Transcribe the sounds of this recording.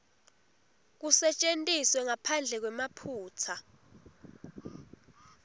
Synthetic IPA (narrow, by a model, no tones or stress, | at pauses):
k̬usɛt͡ʃʼentʼiswɛŋapʰand͡ɮʱɛk̬wɛmapʰuːt͡sʰa